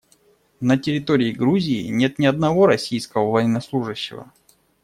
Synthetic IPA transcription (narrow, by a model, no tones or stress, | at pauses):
nətʲɪɾʲɪt̪o̞ɾʲɪɪɡɾuzʲɪɪnʲe̞t̪nʲɪɐd̪nɐvo̞ɾɐsʲijskəvəvɐjɪnːɐslˠuʐɨɕːɪ̰və̰